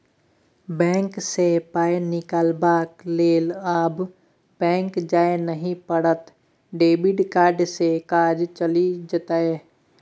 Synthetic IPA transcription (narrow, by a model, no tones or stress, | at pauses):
bɛ̃ːŋksepaːenɪkaːlbaːkleːlaːb | bɛ̃ːŋkd͡ʒaːenəɦĩpəɽət̪ | ɖeːbɪɖkaːɾɖsekaːd͡ʒt͡ʃəlid͡ʒət̪aːe